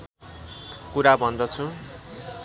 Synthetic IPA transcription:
kuɾabʱʌnd̪ʌt͡sʰu

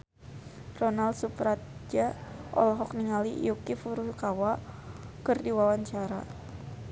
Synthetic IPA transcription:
rɔnald̪supɾat̪̚d͡ʒaʔɔ̰lɦɔk̚niŋalijukifuɾuhkawakɨrdiwawaɲt͡ʃaɾa̰

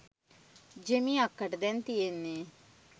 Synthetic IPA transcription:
d͡ʒemĩakːəʈd̪ɛnt̪ienːe

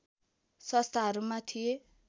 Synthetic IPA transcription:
sʌst̪ʰaɦʌɾumat̪ʰije

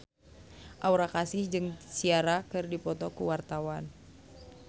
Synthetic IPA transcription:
ʔauɾakasɪhd͡ʒɨŋsiaɾakɨrdipɔt̪ɔkuwart̪awan

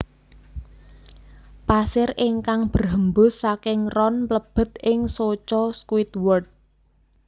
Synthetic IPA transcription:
pasɪrɪŋkaŋb̥ərɦəmbʊ̤ssakɪŋrɔnpləb̥ə̤t̪̚ʔɪŋsot͡ʃɔskwit̪wɔrd̚

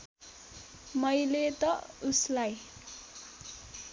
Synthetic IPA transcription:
mʌjlet̪ʌuslaj

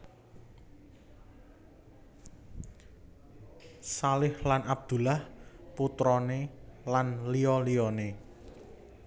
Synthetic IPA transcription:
salɪhlanab̚d̪̥ṳlahput̪ɾɔnelanlijɔlijɔne

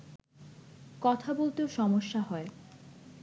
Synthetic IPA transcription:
kɔt̪ʰabolt̪eoʃɔmoʃːaɦɔe

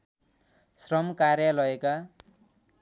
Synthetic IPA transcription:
srʌmkarjʌlʌeka

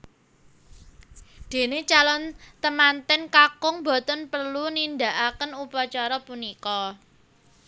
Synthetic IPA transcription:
d̪̥e̤net͡ʃalɔnt̪əmant̪ɛnkakʊŋbɔ̤t̪ənpərlunind̪a̤ʔakənupat͡ʃaɾɔpunikɔ

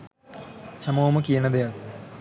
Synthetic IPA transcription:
samoːməkijənəd̪ejak

